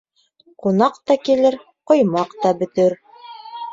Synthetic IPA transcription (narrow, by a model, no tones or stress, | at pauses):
qunɑqt̪ɑkilɘɾ | qŏjmɑqt̪ɑbɵ̆t̪ɘɾ